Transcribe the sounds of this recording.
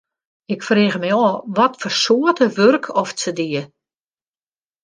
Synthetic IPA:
ɪkfreɣəmɛjɔːʋɔtfɔrsoətəʋørkʰɔft͡sədiə

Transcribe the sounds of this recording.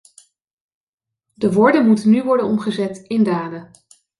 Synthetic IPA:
dəʋɔɹdənmutənyʋɔɹdənɔmχəzɛtɪndaːdə

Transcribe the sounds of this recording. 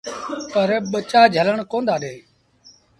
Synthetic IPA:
pəɾɓət͡ʃaːd͡ʒʱələɳkõːnd̪aːɗeː

